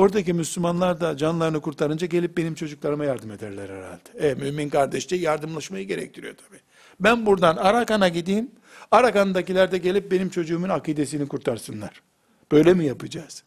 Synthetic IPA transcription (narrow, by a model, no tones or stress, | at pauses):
o̞ɾd̪acimyslʲymanlˠaɾd̪ad͡ʒanlˠaɾɯnɯkuɾt̪ʰaɾɯnd͡ʒaɟe̞lʲip̚be̞nimt͡ʃʰo̞d͡ʒuklˠaɾɯmajaɾd̪ɯme̞d̪æɾlʲæɾhɛɾa̰lʲd̪ɛ̥ɛmyminkʰaɾd̪ɛʃt͡ʃajaɾd̪ɯmlˠaʃmajɯɟe̞ɾɛ̰c̚t̪ʰiɾḭjo̞̰t̪ʰḁbiː | bænbuɾd̪anaɾakanaɟid̪iːm | aɾakanɯd̪acilʲæɾd̪ɛɟe̞lʲip̚be̞nimt͡ʃʰo̞d͡ʒuːmunakid̪es̬inikʰuɾt̪ʰaɾsɯnlˠaɾ̥ | b̥ø̞jlʲemijapɯd͡ʒaːz̥